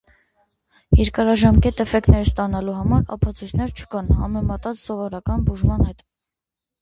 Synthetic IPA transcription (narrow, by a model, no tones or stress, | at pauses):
jɛɾkɑɾɑʒɑmkɛt̪ɛfɛk̪nɛɾst̪ɑnɑluɦɑmɑɾɑ̰pʰɑt͡sʰujt͡sʰnɛɾt͡ʃʰə̥kɑnhɑ̰mɛmɑt̪ɑt͡ssɔvɔɾɑkɑnbuʒmɑnhɛt̪